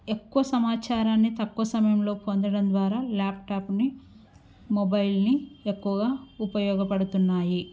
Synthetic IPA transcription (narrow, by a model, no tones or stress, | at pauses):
e̞kːuʋɐsɐmaːt͡ʃaːɾaːnːit̪ɐkːuʋɐsɐmɐjɐmlo̞ːpo̞nd̪ɐɽɐnd̪ʋaːɾaːlaːp̚ʈaːpni | mobɐjlniekːuʋɐɡaːupɐjɔːɡɐpɐɽut̪unːaːji